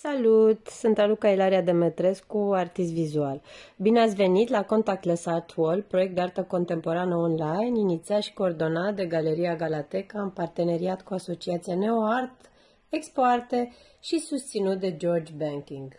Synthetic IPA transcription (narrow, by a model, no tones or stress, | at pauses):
salut̪sɨnt̪alukailaɾiad̪e̞met̪ɾe̞skuart̪ist̪vizualbineat̪sʲve̞nit̪lako̞nt̪ak̚t̪lesart̪ʰwolpɾo̞jekt̪d̪eart̪əko̞nt̪e̞mpo̞ɾanəonlajninit̪siat̪ʃi̥ko̞ːrd̪o̞nat̪d̪e̞ɡale̞ɾiaɡalat̪e̞kaɨmpart̪e̞ne̞ɾiat̪kuaso̞t͡ʃiat̪sianeoart̪ | ekspoart̪e | ʃisust̪sinut̪̚d̪e̞d͡ʒo̞rd͡ʒbeŋkʲiŋɡ